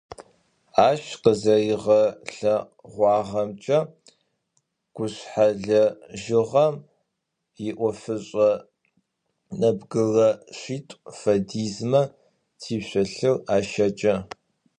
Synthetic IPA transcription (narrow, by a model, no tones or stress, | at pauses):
aːʃqəzɐjɪʁɐɬɐ | ʁʷɑːʁɐmt͡ʃʼɐ | ɡ̥ʷʊɕħaɮɐʒɪʁɐ | jɪʔʷɔfɨɕʼɐ | nɐbɡɨrɐɕiːtʼfɐdiːzmɐ | tʰiːɕʷɔɬɨraːʃɐt͡ʃʼɐ